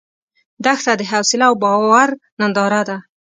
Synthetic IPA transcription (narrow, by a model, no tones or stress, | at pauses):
d̪axt̪ad̪əɦawsɪlaːwbɑwaɾnand̪ɑɾad̪a